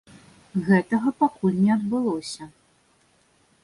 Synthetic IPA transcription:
ɣɛt̪ɐɣɐpakulʲnʲɛɐd̪bɨlˠɔsʲɐ

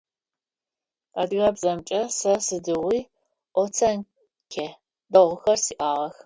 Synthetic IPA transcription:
adɣɐbzɐmt͡ʃʼɐsɐsɨdɨʁʷiː | ʔʷɔt͡sʰɐn | kʲʰe | dɐʁʷʊxɐrsiːʔaːʁɐx

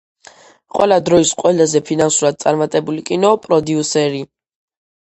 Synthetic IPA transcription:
qʼwɛ̰lad̪ɾɔisqʼwɛlazɛpʰinansuɾad̪̚t̪sʼaɾmat̪ʼɛbulikʼinɔpʼɾɔd̪iusɛɾi

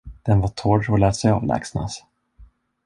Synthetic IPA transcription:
d̪̥ɛnvat̪ʰoːɖɔlɛːt̪sɛjɑ̰ːvlɛ̰ːksna̰s

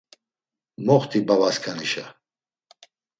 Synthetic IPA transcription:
mɔχt̪ʰibavaskʰaniʃa

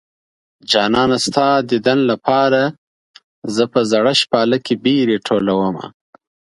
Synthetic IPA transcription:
d͡ʒɑːnɑːnast̪ɑd̪əd̪anlapʰɑːɾa | zəpəzaɽaʃpɑːlakebiɾeʈʰolawəma̰

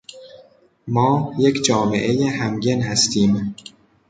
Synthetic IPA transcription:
mɒːje̞kʰd͡ʒɒːme̞̰ʔe̞jeɦæmɟenhæst̪ʰiːm

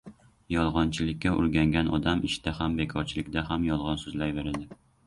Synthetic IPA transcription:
jɒlˠʁɒnt͡ʃʰilɪkʲːɛʔʊ̰ɾɡʲæŋɡʲænʔɒ̰d̪amɪʃd̪̥æhæmbekʰɒɾt͡ʃʰɪlɪkʲd̪æɦæmjɒlˠʁɑnsɵzlajveɾɪd̪ɪ

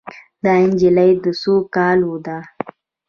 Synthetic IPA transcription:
d̪ɑɪnd͡ʒilajd̪əsokɑlwod̪a

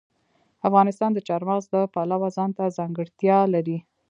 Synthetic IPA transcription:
afɣɑnɪst̪ɑnd̪ət͡ʃɑɾmɑɣzd̪əpalawazɑnt̪azɑŋɡəɽt̪jɑlaɾi

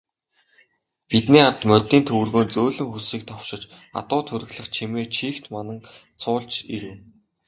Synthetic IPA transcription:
pit̪niːart̪mœt̪ːiːnt̪ʰɵwɘ̆rɣoːnt͡soːɮɵ̆ŋxusiːk̚t̪ʰɔwʃɪ̆t͡ɕa̰t̪ʊːt̪ʰɵɾɘ̆ɣɮə̆χt͡ɕʰimeːt͡ɕʰiːxt̪manə̆ŋ | t͡sʰʊːɮt͡ɕiɾɘ̆w

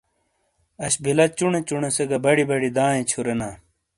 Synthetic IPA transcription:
ɐɕbilɐt͡ɕuɳẽt͡ɕuɳeseɡɐbɐɽibɐɽid̪ãːjẽt͡ɕʰuɾenaː

